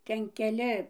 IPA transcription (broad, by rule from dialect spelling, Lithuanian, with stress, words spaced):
ˈtʲɛn kʲɛˈlʲɪ